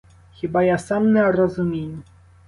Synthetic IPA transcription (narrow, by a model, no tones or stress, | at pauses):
xɘbajasamnɛɾɔzumʲeɲu